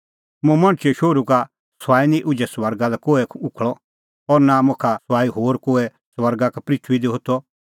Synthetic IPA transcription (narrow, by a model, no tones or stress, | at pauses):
mũmɐ̃ɽ̃t͡ʃeʃoːɾuka | saːinĩʔʊd͡ʒɛswɐɾɡalɛkoːɛʊkʰɭɔ | ɔɾnamʊ̃kʰaswaːiɦoːɾkoːɛ | sʋɐɾɡakɛpɾit̪ʰwid̪iɦʊt̪ʰɔ